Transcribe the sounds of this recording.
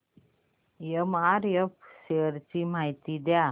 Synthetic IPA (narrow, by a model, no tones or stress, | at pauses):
jəmaɾjəpseɾt͡ɕimajt̪id̪ja